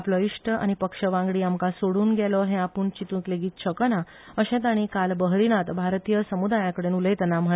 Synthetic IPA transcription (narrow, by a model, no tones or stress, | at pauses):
pləiʂʈəa̰ɽ̃ipəkʂəʋãŋɡɽiːamkasoɽuːnɡɛlɔɦɛ̃apuːɳt͡ɕit̪ũkleɡiːt̪̚t͡ɕʰəkəna | əɕɛ̃t̪̬aɽ̃ikalbəɦɾiñat̪bʱaɾt̪ijəsəmud̪ajãkəɽenulet̪ɛnam̤ə